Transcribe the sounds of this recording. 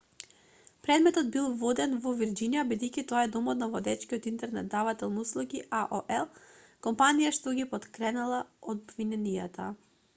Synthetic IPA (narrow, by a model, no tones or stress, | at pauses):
pɾɛd̪mɛt̪ɔd̪bilˠvɔd̪ɛnvɔviɾd͡ʒinijabid̪ɛjcʲit̪ɔaɛd̪ɔmɔt̪navɔd̪ɛt͡ʃkiot̪int̪ɛɾnɛt̪̚d̪avat̪ɛlˠnuslˠuɡiʔaʔoʔɛlˠkɔmpanijaʃt̪ɔɡipɔt̪kɾɛnalˠaod̪bvinɛnija̰t̪a